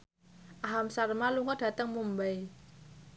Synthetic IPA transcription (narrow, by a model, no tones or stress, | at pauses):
ʔaɦamsarmaluŋɡɔd̥a̤t̪əŋmumbai